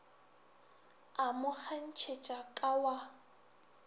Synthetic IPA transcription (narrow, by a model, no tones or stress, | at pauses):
amʊk͡xʰan̩t͡ʃʰet͡ʃʼakʼawa